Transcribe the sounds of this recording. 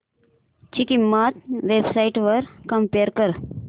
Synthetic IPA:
t͡ɕikimːat̪̚ʋebsaiʈʋəɾkəmpeɾkəɾ

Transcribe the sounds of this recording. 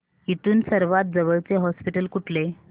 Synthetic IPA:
it̪uːnsəɾʋat̪̚d͡zəʋəɭt͡seɦɔspiʈəlkuʈle

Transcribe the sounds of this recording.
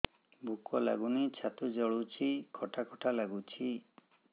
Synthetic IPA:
bʱukɔla̰ɡunit͡ʃʰat̪ud͡ʒɔɭut͡ʃʰikʰɔʈʰakʰɔʈʰalaɡut͡ʃʰi

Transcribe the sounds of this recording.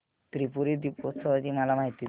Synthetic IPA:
t̪ɾipuɾiːd̪ipot̪səʋat͡ɕiːmalamaɦit̪iː

